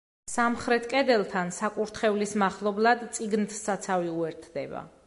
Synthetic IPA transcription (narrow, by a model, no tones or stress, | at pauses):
samχɾɛt̪ʰkʼɛd̪ɛlˠt̪ʰansakʼuɾt̪ʰχɛvlismaχlˠɔblˠad̪t̪sʼiɡnt̪ʰsːat̪sʰaviuɛɾt̪ʰd̪ɛba̰